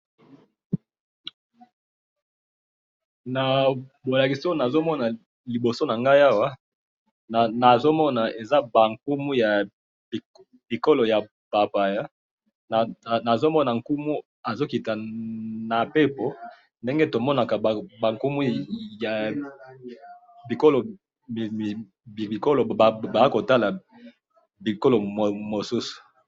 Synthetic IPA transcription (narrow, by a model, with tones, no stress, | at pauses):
na˨bo˨la˨ki˨so˦na˨zo˦mɔ˦na˨ | li˨bo˨so˦na˨ŋɡa˦i˦a˦wa˦˨ | na˨zo˦mɔ˦na˨e˨za˦ba˨ŋku˦mu˦ja˨ | li˨ko˦lo˨ja˨ | pa˨pa˨ja˦ | n˨na˨zo˦mɔ˦na˨ŋ˨ku˦mu˦ | a˨zo˦ki˨ta˨na˨pe˦po˨˦ | nde˦ŋɡe˦to˨mɔ˦na˨ka˨ba˨ŋku˦mu˦ja˨ | bi˨ko˦lo˨ | i˨ko˦lo˨ba˨a˦ko˨ta˦la˨ | bi˨ko˦lo˨mo˨mo˨su˦su̥˨